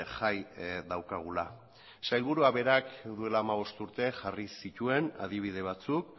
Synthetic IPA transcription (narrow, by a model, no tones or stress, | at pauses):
ʝajdawkaɣ̞ula | sajlβuɾuaβe̞ɾakd̪ue̞laːmaβ̞o̞st̪uɾt̪e̞ʝarisit̪ue̞na̰ð̞iβ̞ið̞e̞β̞at͡suk